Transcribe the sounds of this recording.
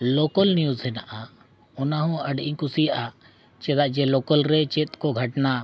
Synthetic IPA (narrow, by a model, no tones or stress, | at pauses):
lokəlnijuzɛnaʔa | ɔnaɦɔ̃ɐɖiŋkusijaʔa | t͡ʃɛd̪aʔd͡ʒɛlɔkəlɾɛt͡ʃet̪kɔɡʱɐʈna